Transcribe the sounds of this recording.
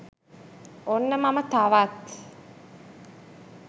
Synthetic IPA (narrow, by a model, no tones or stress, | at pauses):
onːəmamət̪aʋat̪